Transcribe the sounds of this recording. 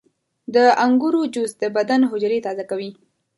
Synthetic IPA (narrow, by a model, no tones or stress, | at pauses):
d̪əaŋɡuɾod͡ʒus̚d̪əbad̪anɦʊd͡ʒɾet̪ɑzakawi